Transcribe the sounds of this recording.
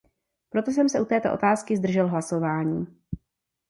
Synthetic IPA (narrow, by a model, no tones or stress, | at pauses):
pɾo̞t̪o̞s̬ɛmsɛʔut̪ɛːt̪o̞ʔo̞t̪aːskɪzd̪r̩ʒɛlɦlaso̞vaːɲiː